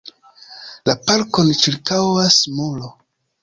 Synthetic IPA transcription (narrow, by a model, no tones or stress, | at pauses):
lapaɾkont͡ʃiɾkawasmulo